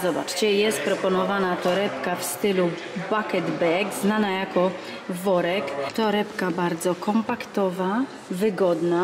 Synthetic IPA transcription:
zɔbat͡ʂt͡ɕɛjɛst̪̚pɾɔpɔnɔvanat̪ɔɾɛpkafst̪ɘlu | bakɛd̪bɛɡznanajakɔ | vɔɾɛkt̪ɔɾɛpkabaɾd̪zɔkɔmpakt̪ɔva | vɘɡɔd̪na

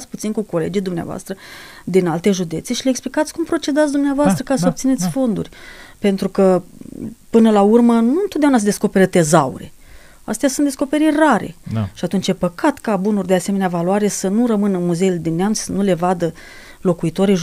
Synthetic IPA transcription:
t̪sʲput̪sinkuko̞le̞̰d͡ʒijd̪umnea̰voa̰st̪ɾə | d̪inalt̪e̞ʒud̪e̞t̪seʃileksplikat̪sʲkumpɾo̞t͡ʃe̞d̪at̪ʲd̪umneavoast̪ɾəkasəop̚t̪ine̞t̪sʲfo̞nd̪ṵrʲpe̞nt̪ɾukə | pɨnəlaurmənunt̪ot̪d̪eaunas̬d̪eskope̞ɾət̪e̞zaṵɾe̞̰ | a̰st̪easunt̪d̪esko̞pe̞ɾiraɾe̞̰ʃiat̪unt͡ʃjepəkat̪kabunurʲd̪e̞aseme̞neavalwaɾesənurəmɨnəɨnmuze̞jeled̪inːeamni̥sənule̞vad̪ə | lo̞kuit̪o̞ɾiʒ

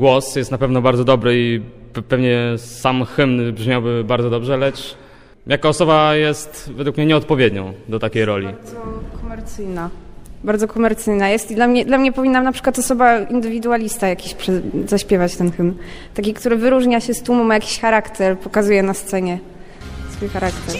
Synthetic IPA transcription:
ɡwɔsjɛst̪napɛvnɔbaɾd̪zɔd̪ɔbɾɘipɛvɲɛsamxɘmnbʐmʲjawbɘbaɾd̪zɔd̪ɔbʐɛlɛt͡ʂ | jakɔːsɔbajɛst̪vɛd̪wukmɲɛɲɛɔt̪̚pɔvʲjed̪ɲɔ̃w̃d̪ɔt̪akʲejɾɔlʲiɔkʰɔmɛɾt̪sɘjnabaɾd̪zɔkɔmɛɾt̪sɘjnajɛst̪id̪lamɲɛd̪lamɲɛpɔvʲinːamnapʂɘ̥kwat̪ɔsɔbaind̪ɘvʲid̪ualʲist̪ajakʲiɕpʂɛzaɕpʲjɛvat͡ɕt̪ɛnxɘmnt̪akʲikt̪uɾɘvɘɾuʐɲaɕɛst̪umumajakʲi̥ɕxaɾakt̪ɛɾpɔkazujɛnast̪sɛɲɛ | sfujxaɾakt̪ɛɾ

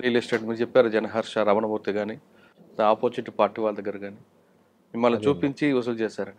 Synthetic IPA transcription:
ɾiːlisʈeːʈmiːɾut͡ʃɛpːaːɾud͡ʒɛnɐɦɐɾʂɐɾɐʋɐnɐbʱuːt̪iɡaːni | d̪aːpoːt͡ʃiʈipaːɾʈːiʋaːlɐd̪ɐɡːɐɾɐɡaːniː | imːɐlːɐt͡ʃuːpiɲt͡ʃiusult͡ʃeːsaːɾɐɳ

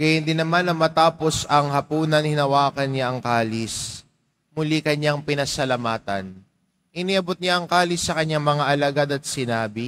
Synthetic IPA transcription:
ɡɐjɪnd̪ɪnːɐmanːɐmɐt̪aːposɐŋhɐpuːnɐŋhɪnɐwaːkɐnɲaʔɐŋkaːlɪs | mʊlikɐɲaŋpɪnɐsɐlɐmaːt̪ɐ̰n | ʔɪniʔɐbot̪̚ɲaʔɐŋkaːlɪsːɐkɐɲːaŋmɐŋaʔɐlɐɡad̪ɐt̪̚sɪnaːbɪ

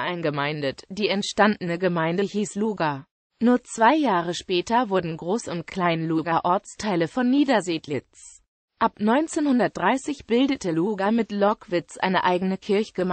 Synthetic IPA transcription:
ʔaɪnɡəmaɪndətd̥iːɛntʃtandənəɡəmaɪndəçiːsluːɡa | nuːɐt͡sv̥aɪjaːʁ̞əʃpɛːtɐvʊɐdn̩ɡʁoːsʊnt̚kʰl̥aɪnluːɡaʔɔɐt͡stʰaɪləfɔnːiːdɐzeːtlɪt͡s | ʔapnɔʏnt͡seːnhʊndɐt̚d̥ʁaɪsɪçb̥ɪldətəluːɡamɪtlɔkv̥ɪt͡sʔa̰ɪnəʔaɪɡənəkʰɪɐçɡ̥əm

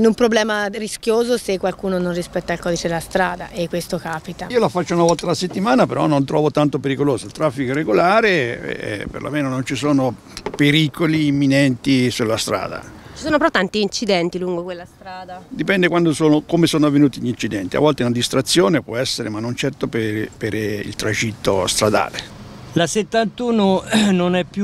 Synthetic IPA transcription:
numpɾoblɛːmariskjoːzosekːwalkuːnononrispɛt̪ːailkɔːd̪it͡ʃed̪elast̪ɾaːd̪aʔekːwest̪okaːpit̪aiːolafat͡ʃːounavɔlt̪alaset̪ːimaːnapeɾɔ̰nːont̪ɾɔːvot̪ant̪opeɾikoloːzoilt̪ɾafːikoireɡolaːɾeɛ̰ɛ̰pḛrlʔa̰meːnonont͡ʃisoːno | peɾikoliːmːinɛnt̪isulːast̪ɾa̰ːd̪a̰t͡ʃi̥soːnopeɾɔt̪ːant̪iːnt͡ʃid̪ɛnt̪iluŋɡokwelːast̪ɾaːd̪ad̪ipɛnd̪ekwand̪osoːnokomesoːnoavːenuːt̪iʎːint͡ʃid̪ɛnt̪ia̰vːɔlt̪eunad̪ist̪ɾat̪sːjoːnepwɔɛsːeɾemanːont͡ʃɛrt̪opepeɾḭlt̪ɾad͡ʒit̪ːo̰st̪ɾad̪a̰ːlḛ | laset̪ːant̪uːnononɛpːju

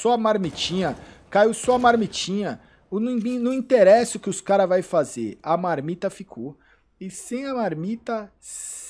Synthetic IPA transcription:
sɔɐmaɾmit͡ʃĩɲɐkajiwsɔɐmaɾmit͡ʃĩɲɐ | ʊnĩnʊ̃ĩt̪eɾɛsɪʊkɪʊskaɾɐvajfazḛɾɐmaɾmit̪ɐfikʰo | ɪsẽj̃ɐmaɾmit̪ɐ | s

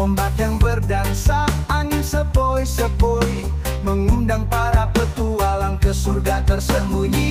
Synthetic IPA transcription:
ombat̪jaŋbərdansakaŋinsəpoisəboi | məŋundaŋpaɾapət̪ualankəsurɡat̪ərsəmuɲi

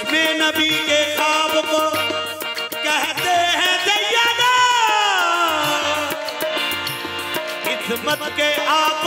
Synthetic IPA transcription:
mẽnɐbikexaːbko | kɛɦt̪eɦɛ̃d̪ɐijaːɡ̪aː | kɪsmət̪keʔaːp

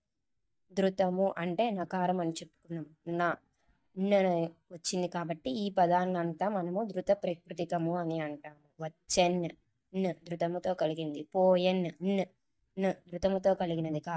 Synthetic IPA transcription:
d̪ɾut̪ɐmuʔɐɳʈe̞ːnɐːkaːɾɐmɐnit͡ʃe̞pːu̥kunːaːmunaː | nːɐʋɐt͡ʃːind̪ikaːbɐʈːiiːpɐd̪ʱaːnnɐnt̪aːmɐnɐmud̪ɾut̪ɐpɾɐkɾut̪ikɐmuɐniɐɳʈaːnuʋɐt͡ʃːenː | nːɨd̪ɾut̪ɐmut̪o̞ːkɐliɡind̪ipoːjenːnː | nːɨd̪ɾut̪ɐmut̪o̞ːkɐliɡinɐd̪ikaː

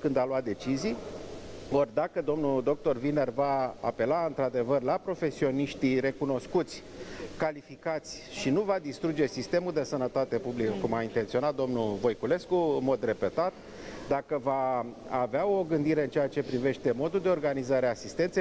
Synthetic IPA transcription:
kɨnd̪aloat̪̚d̪e̞t͡ʃizij | orʲd̪akəd̪o̞mnud̪o̞k̚t̪o̞rvine̞rva̰ːpe̞laɨnt̪ɾad̪e̞vərlapɾo̞fe̞sio̞niʃt̪ire̞kuno̞skut̪sʲ | kalifikat̪sʲʃinuvad̪ist̪ɾud͡ʒe̞sist̪e̞muld̪e̞sənət̪at̪e̞publikəkumaint̪e̞nt̪sio̞nat̪̚d̪o̞mnuvo̞jkule̞skuɨnmo̞d̪re̞pe̞t̪at̪ | d̪akəvaaveao̞ɡɨnd̪iɾe̞ɨnt͡ʃeat͡ʃe̞pɾive̞ʃt̪e̞mo̞d̪uld̪e̞o̞rɡanizaɾeasist̪e̞nt̪se

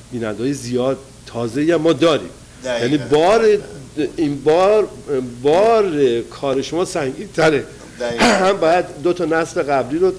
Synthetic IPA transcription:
b̥iːnænd̪ɒːjezijɒːd̪̚ | t̪ʰɒːzeiːæmːɒːd̪ɒːɾḭːm | jæniːbɒːɾeinbɒːɾbɒːɾekʰɒːɾe̞ʃomɒːsæŋɟiːnt̪ʰæɾe | hæmbɒːjæd̪ːot̪ʰɒnæsle̞ɣæbliːɾo

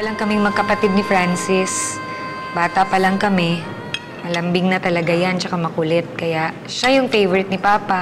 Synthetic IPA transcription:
ɐlɐŋkɐmɪŋmɐɡ̚kɐpɐt̪ɪd̪nɪfɾansɪs | baːt̪ɐpɐlɐŋkɐmɛ | mɐlɐmbɪŋnɐt̪ɐlɐɡajant͡ʃɐkamɐkʊlɛt̪̚kɐjaʔ | ʃajʊŋfejvɛɾɪt̪̚nɪpaːpa

